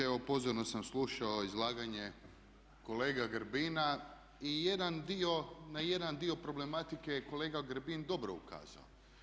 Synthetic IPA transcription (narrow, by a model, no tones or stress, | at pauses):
eʋopo̞zoɾnosamslˠuːʃaoizlˠaːɡaɲe̞ | ko̞leːɡaɡɾbina | ije̞d̪and̪io̞naje̞d̪and̪io̞pɾo̞ble̞mat̪ike̞jeko̞le̞ːɡaɡɾbind̪o̞bɾoṵka̰ːza̰o